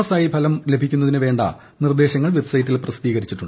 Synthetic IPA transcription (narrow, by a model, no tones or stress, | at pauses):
saːjibʰʱɐlɐmle̞bʱikʲːunːɐðinɨʋe̞ːɳɖɐ̰ | nird̪e̞ːɕɐŋːɐɭʋe̞bsɐjitːilprɐst̪iːɣɐɾit͡ɕːiʈːuɳɖɨ